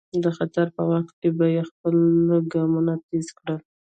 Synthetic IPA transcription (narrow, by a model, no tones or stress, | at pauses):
d̪əxat̪aɾpəwaxt̪̚kebajexpələɡɑmunat̪ezkɽəl